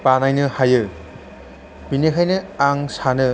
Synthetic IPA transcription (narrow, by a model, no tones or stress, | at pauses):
panajnɯhajɯ | pinekʰajnɯaŋsanɯ